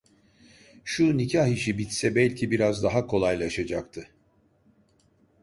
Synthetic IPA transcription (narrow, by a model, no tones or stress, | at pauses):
ʃunicʰaɦiʃibit̪sɛbɛlʲcʰibiɾazd̪aɦakʰo̞lˠajlˠaʃad͡ʒakt̪ʰɯ